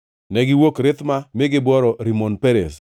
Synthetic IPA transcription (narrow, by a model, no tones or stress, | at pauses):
nɛɡɪwokɾɪt̪mamɪɡɪbɔɾɔɾimɔnpeɾḛs